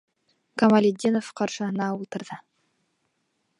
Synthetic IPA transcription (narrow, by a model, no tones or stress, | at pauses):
kamalʲed̪ʲːinofqʰɑɾʃənɑulˠt̪ə̆ɾd̪ə